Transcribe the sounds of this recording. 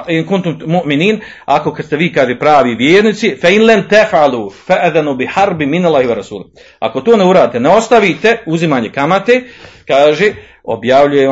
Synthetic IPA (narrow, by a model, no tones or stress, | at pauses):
inkunt̪ummuʔminiːn | ako̞kad̪st̪eʋiːkaːʒeːpɾaːʋiːʋjeːɾnit̪sifainlamt̪afʕaluːfaʔðanuːbɪħaɾbminalːaːhiʋaɾasuːl | a̰ko̞t̪oːneuɾaːd̪it̪ɛneo̞st̪aʋiːt̪euzimaːɲe̞kamat̪eːkaːʒeː | o̞̰bjaʋʎuje